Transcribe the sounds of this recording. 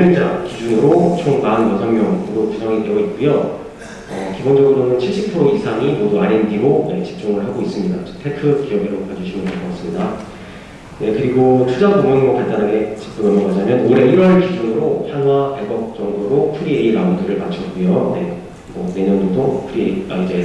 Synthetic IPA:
id͡ʑakid͡ʑunɯɾot͡ɕʰoŋmanmasʰammjʌŋɯɾotud͡ʑaŋite̞ʌit̚k͈ujo | ʌkibond͡ʑʌɡɯɾonɯnt͡ɕʰiɭɕ͈ipʰɯɾoisʰaŋimoduaɾendiɾone̞t͡ɕi̥p̚t͡ɕ͈uŋɯɭɦaɡois͈ɯmɲida̰t͡ɕɯ̥tʰekʰɯkijʌɡiɾokad͡ʑuɕʰimɯnkʰaɭk͈ʌɡas͈ɯmɲida | ne̞kɯɾiɡotʰud͡ʑatoŋʌnmʌpaɭt͈anɦaɡe̞t͡ɕi̥p̚t͡ɕ͈uŋʌmʌmaɲamjʌnoɾe̞iɾwʌɭkid͡ʑunɯɾoçjaŋɦwakaɭɡʌk̚t͡ɕ͈ʌŋdoɾopʰɯɾieiɾaunduɾɯɭmat͡ɕʰʌk̚k͈ujone̞ | mʌne̞ɲʌndodopʰɯɾieiaid͡ʑe̞

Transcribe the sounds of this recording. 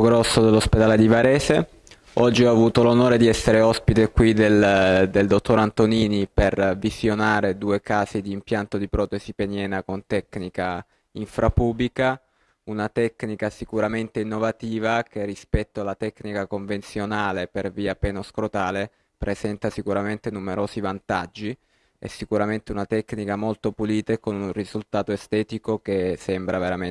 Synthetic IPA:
ɡɾɔsːod̪elːosped̪aːled̪ivaɾɛːse | ɔd͡ʒːioavuːt̪olonoːɾed̪iɛsːeɾeɔspit̪ekwid̪eld̪eld̪ot̪ːoɾant̪oniːnipervizjonaːɾed̪uːekaːzid̪iːmpjant̪od̪ipɾɔːt̪esipenjɛːnakont̪ɛkːnika | iɱfɾʔapublika | unat̪ɛkːnikasikuɾament̪einːovat̪iːvakerːispɛt̪ːoalːat̪ɛkːnikakoɱvent̪sjonaːleperviːapɛːnoskɾot̪aːle | pɾezɛnt̪asikuɾament̪enumeɾoːzivant̪ad͡ʒːi | ɛ̰sːikuɾament̪eunat̪ɛkːnikamolt̪opuliːt̪ekonuunrizult̪aːt̪oest̪ɛːt̪ikokesɛmbɾʔaveɾame

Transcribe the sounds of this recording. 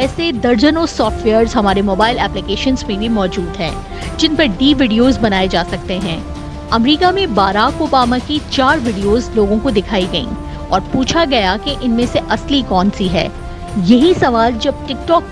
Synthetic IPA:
ɛːsed̪ɐɾd͡ʒənosɔːfʈʋeːəɾzɦɐmaːɾemoːbaːɪlɛːplɪkeːʃə̃nzmẽbʱimɔːd͡ʒuːd̪ɦɛ̰̃ː | d͡ʒɪnpɐɾɖiːʋɪɖijoːzbɐnaːed͡ʒaːsɐk̚t̪eɦɛ̃ː | ɐmɾiːkamẽbaːɾaːkoːbaːmakit͡ʃaːɾʋɪɖijoːzloːɡõkod̪ɪkʰaːiɡɐḭ̃ː | ɔːɾpuːt͡ʃʰaɡɐjakeʔɪnmẽseʔɐslikɔːnsiɦɛ̰ː | jɐɦisɐʋaːld͡ʒɐb̚ʈɪk̚ʈɔːk̚

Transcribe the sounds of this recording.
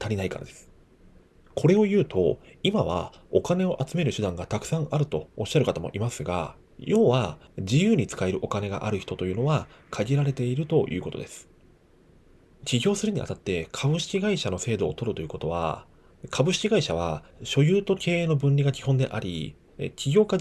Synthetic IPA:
t̪aɾʲinaika̰ɾa̰d̪esɨ̥ | kʰo̞ɾe̞o̞jɯ̟ːt̪ʰo̞̰imaβ̞a̰okane̞o̞ʔat͡sɨme̞ɾɯ̟ɕɨd̪ãŋɡat̪akɯ̟̥sãɰ̃aɾɯ̟t̪o̞ːɕːaɾɯ̟kat̪amo̞̰ʔimasɨɡa̰ | jo̞ːβad͡ʑijɯ̟ːɲ̟it͡sɨ̥kae̞ɾɯ̟ʔo̞kane̞ɡa̰ʔaɾɯ̟çi̥t̪o̞t̪o̞jɯ̟no̞βakʰaɡʲiɾaɾe̞t̪e̞iɾɯ̟t̪o̞jɯ̟ːko̞t̪o̞̰d̪esɨ̥ | t͡ɕʲiɡʲo̞ːsɨɾɯ̟ɲ̟ia̰t̪at̪ːe̞kʰabɯ̟ɕi̥kʲiɡaiɕano̞se̞ːd̪o̞ːt̪o̞ɾɯ̟t̪o̞jiɯ̟ko̞t̪o̞βa̰ | kʰabɯ̟ɕi̥kʲiɡaiɕaβ̞aɕo̞jɯ̟ːt̪o̞kʰe̞ːeːno̞bɯ̟̃ɲɾʲiɡakʲi̥hõ̞nd̪e̞̰ʔaɾʲḭ | t͡ɕʲiɡʲo̞ːka

